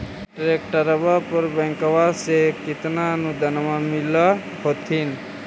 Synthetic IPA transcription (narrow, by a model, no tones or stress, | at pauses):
ʈɾek̚ʈəɾəbapəɾbɛ̃ŋkʋasekɪt̪naənud̪ʱənmamɪla | hot̪ʰin